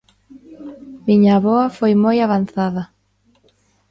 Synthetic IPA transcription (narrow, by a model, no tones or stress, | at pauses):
miɲaβɔɐfojmojaβanθaðɐ